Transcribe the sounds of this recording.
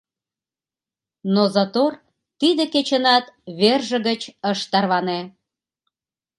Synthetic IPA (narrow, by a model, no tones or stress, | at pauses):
nozɑt̪or | t̪id̪eket͡ɕə̆nɑt̪βerʒə̆ɣət͡ɕəʃt̪ɑrβɑne